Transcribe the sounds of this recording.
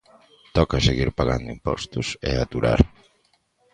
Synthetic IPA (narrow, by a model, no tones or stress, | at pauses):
t̪ɔkaseɣiɾpaɣand̪ʊimpɔ̰st̪ʊsɛ̰at̪uɾa̰ɾ